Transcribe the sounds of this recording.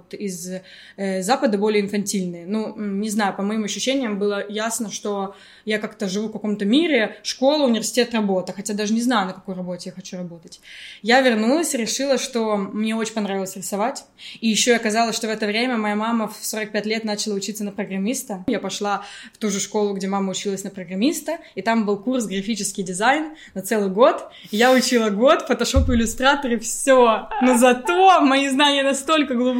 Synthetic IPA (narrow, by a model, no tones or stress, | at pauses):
t̪ɪz | əːapəd̪əbo̞lʲɪəɪnfɐnʲtʲilʲnɨjənunʲɪznajʊpəmɐimɐɕːʉɕːenʲɪjəmbɨlˠəjasnəʂt̪o̞ | jakakt̪əʐɨvufkɐko̞mt̪əmʲiɾʲɪʂko̞lˠʊːnʲɪvʲɪrsʲɪ̥tʲet̪rɐbo̞t̪ɨxɐtʲad̪aʐɨnʲɪznajʊnəkɐko̞jrɐbo̞tʲɪjaxɐt͡ɕuɾɐbo̞t̪ətʲjavʲɪrnulˠəsʲɾʲɪʂɨlˠəʂt̪o̞mnʲe̞ot͡ɕɪnʲpɐnɾavʲɪlˠəsʲɾʲɪsɐvatʲ | ijɪɕːoɐkɐzalˠəsʲʂt̪ovɛt̪əvɾʲemʲəmɐjamamːəfsoɾək̚pʲætʲlʲe̞t̪nat͡ɕɪlˠəʊt͡ɕit̪sənəpɾəɡɾɐmʲist̪əjapɐʂlˠaft̪uʐɨʂko̞lˠʊɡdʲe̞mamːəʊt͡ɕilˠəsʲnəpɾəɡrɐmʲist̪ə | it̪ambɨlˠkurs̬ɡɾɐfʲit͡ɕɪskʲɪjdʲɪzajnnɐt̪sɛlˠɨjɡo̞t̪ | jaʊt͡ɕilˠəɡo̞t̪fət̪ɐʂo̞pʊɪlʲʊst̪ɾat̪əɾɨfsʲonozɐt̪o̞mɐiznanʲɪjənɐst̪o̞lʲkəɡlˠub